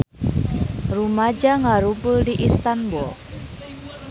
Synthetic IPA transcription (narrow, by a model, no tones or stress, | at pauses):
rumad͡ʒaŋaɾubuldiʔist̪anbul